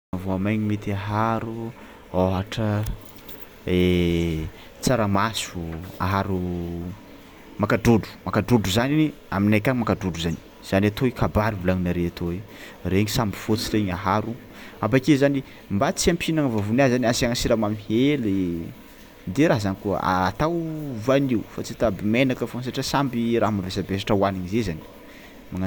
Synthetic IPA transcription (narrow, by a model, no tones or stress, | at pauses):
voamajɲimet̪iaɦaɾu | oɦaʈ͡ʂə | e | t͡saɾamasua̰ɦaɾu | makaɖ͡ʐuɖ͡ʐu̥makaɖ͡ʐuɖ͡ʐuzaniniaminakʲaŋmakaɖ͡ʐuɖ͡ʐuzani̥ | z̥aniat̪oikʰabaɾivulaŋinaɾeat̪oe | reɲisambifot͡sireɲaɦaɾu | abakezani | mbat͡siampʰinaŋvavunazaniasaŋasiɾamamiheli | d̪eɾazanikuə̰a̰ːt̪awvaniufat͡sit̪abimenakəfons̬aʈ͡ʂasambiɾaɦmavesabesaʈ͡ʂəwaniɲizezani̥ | maŋa